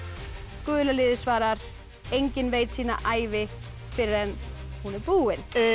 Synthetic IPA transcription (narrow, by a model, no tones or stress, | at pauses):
kʏːlalɪːðɪsvaːɾaɾ̥ | ejɲcɪnvejt̪siːna̰ʔaːjvɪ | fɪɾɪɾðɛnhunɛɾpuːɪn